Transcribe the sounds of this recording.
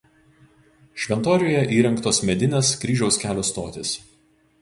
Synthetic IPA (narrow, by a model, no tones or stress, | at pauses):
ʃʲʋʲɛnt̪oːɾʲɪjoːjɛʔiːɾʲɛŋkt̪oːsmʲɛd̪ʲɪnʲeːskɾʲiːʒʲɛʊskʲæːlʲoːst̪oːt̪ʲɪs